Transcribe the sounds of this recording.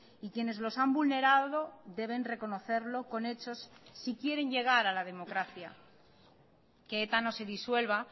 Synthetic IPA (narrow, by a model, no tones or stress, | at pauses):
ikje̞ne̞zlo̞sambulne̞ɾaðo̞ðe̞β̞e̞nre̞ko̞no̞θe̞ɾlo̞ko̞ne̞t͡ʃo̞sːikje̞ɾe̞nʝe̞ɣ̞aɾalað̞emo̞kɾaθja̰ | keet̪ano̞se̞ðiswe̞lβa